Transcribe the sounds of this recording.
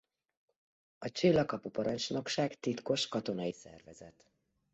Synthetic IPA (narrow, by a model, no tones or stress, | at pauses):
ɒt͡ʃilːɒkɒpupɒɾɒɲt͡ʃno̞kʃaːkt̪it̪ko̞ʃkɒt̪o̞nɒisɛ̰rvɛzɛt̪